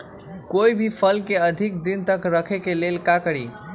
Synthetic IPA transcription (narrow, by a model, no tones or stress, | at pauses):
koibʱipʰəlkeəd̪ʱik̚d̪int̪əkɾəkʰekelelkakəɾi